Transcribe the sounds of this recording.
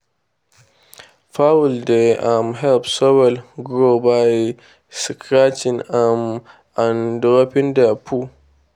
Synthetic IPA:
fawuldeamɦɛlpsɔwɛlɡɾobaj | sikʰɾat͡ʃinam | andɾopɪndapʰu

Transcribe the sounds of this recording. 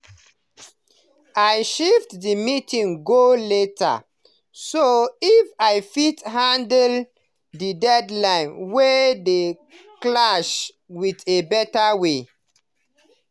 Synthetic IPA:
ajʃeftdimitĩŋɡoleta̰ | soifajfithãndl | didɛdlãɪ̃nwede | klaʃ | witebɛtawe

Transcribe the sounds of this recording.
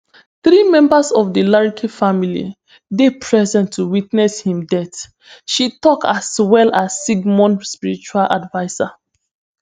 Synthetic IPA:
θɹimɛ̃mbasɔvdilaɹikʰefamilḭ | depʰɹɛzɛ̃ntʰːuwitnɛshĩmdɛt | ʃitɔkaswɛlasːiɡmɔ̃nspiɹit͡ʃualʔa̰dvaɪsa

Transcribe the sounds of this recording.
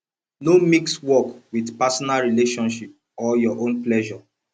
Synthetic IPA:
nomikswɔkwidpasɔnalɹileʃɔ̃nʃip̚ | ɔjɔʔõnplɛʒɔ

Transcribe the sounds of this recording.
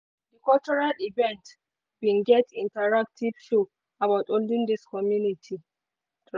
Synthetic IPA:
dikɔlt͡ʃɔɹalivɛ̃nt | bĩnɡɛtĩntaɹak̚tʰiv̥ʃu | abaʊtõndĩŋdiskɔmjunitʰi

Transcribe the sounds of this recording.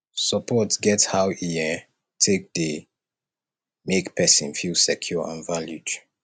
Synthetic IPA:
səpʰɔtsɡɛthawiɛ | tʰek̚də | mekpʰɛsə̰̃nfilsɛkʰjɔã̰nvaljud

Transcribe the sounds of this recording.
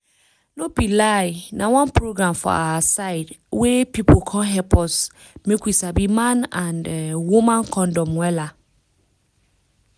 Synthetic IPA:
lõbilaɪnãwɔ̃npʰɾoɡɾãmfɔ̰a̰asaɪdwepʰipʰokʰɔ̃ɦɛpʰɔs | mẽkʰʷisabimãnãnwumãnkʰɔ̃ndɔ̃mwɛla

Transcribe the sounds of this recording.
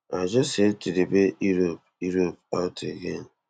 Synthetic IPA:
ad͡ʒɔsetiɾebeiɾop̚ | uɾop̚aʊtʰeɡen

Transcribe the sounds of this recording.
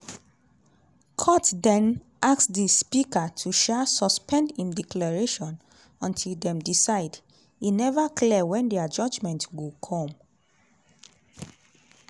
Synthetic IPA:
kʰɔtdɛ̃n | ʔaksdispikatʰuʃɛsɔspʰɛ̃ndhĩmdiklaɹeʃɔ̃n | ɔ̃ntʰildɛ̃mdisaɪd | hinɛvaklɛwɛ̃ndɛad͡ʒɔd͡ʒmɛ̃ntɡokʰɔ̃m

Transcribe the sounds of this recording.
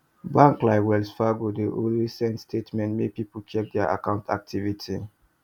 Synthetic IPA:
bãŋklaɪkwɛlsfaɡodeʔolisɛ̃ntstʰetmɛ̃ntmepipot͡ʃʰɛk̚dɛaʔa̰kãʊ̃ntʰa̰k̚tʰivitʰi

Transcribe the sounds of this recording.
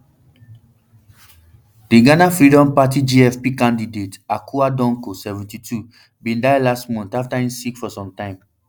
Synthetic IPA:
dĩɡanafɹidɔ̃mpatid͡ʒiɛfpikãndidetakʰuadɔ̃ŋkosɛvɛ̃ntitu | bĩndajlastmɔ̃ntaftaĩmsikfɔsɔ̃mtãɪ̃m

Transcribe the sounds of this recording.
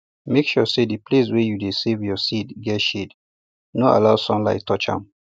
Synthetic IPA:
mekʃɔsediples̬wɛjudesevjɔsidɡɛtʃed | noa̰laʊsɔ̃nla̰ɪtʰːɔt͡ʃã̰m

